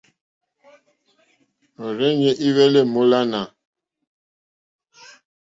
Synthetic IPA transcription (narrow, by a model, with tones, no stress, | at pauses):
ɔ˨ɾɛ˦ɲɛ˦ʔi˦wɛ˦le˦˨mo˦la˦na˨